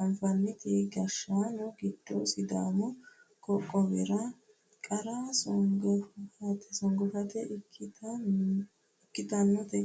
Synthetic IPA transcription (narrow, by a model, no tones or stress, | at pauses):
ɐmfɐnːɪt̪ɛɡɐʃːaːnɔɡɪd̪̥ːɔsɪd̪aːmɔ | kɔkʼːɔβɪɾɐ | kʼɐɾasɔŋɡɔfɐt̪ɛsɔŋɡɔfɐt̪ɛt | ɪkʼːɪt̪ɐnːɔt̪ɛ